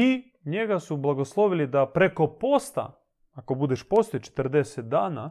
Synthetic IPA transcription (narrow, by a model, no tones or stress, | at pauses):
i | ɲe̞ɡasublˠaɡoslˠo̞ʋilid̪apɾe̞ko̞post̪a̰ | akobud̪eʃpo̞st̪ojt͡ʃe̥t̪r̩d̪eset̪̚d̪aːna